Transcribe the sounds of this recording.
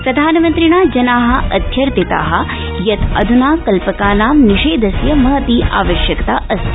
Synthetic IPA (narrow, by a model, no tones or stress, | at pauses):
pɾɐd̪ʱaːnɐmɐnt̪ɾiɳaːd͡ʒɐnaːɦɐ̆ʔɐd̪ʱjɐɾt̪it̪a̰ːɦɐ̆ | jɐt̪ɐ̰d̪ʱunaːkɐlpɐkaːnaːmniʂeːd̪ʱɐsjɐmɐɦɐt̪iːʔaːʋɐʃjɐkɐt̪aːʔɐst̪